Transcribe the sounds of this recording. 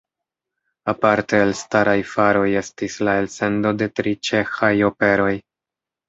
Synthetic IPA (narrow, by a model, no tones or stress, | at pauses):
apaɾte̞ːlstaɾajfaɾo̞je̞stislae̞lse̞ndo̞de̞tɾit͡ʃe̞xajo̞pe̞ɾo̞j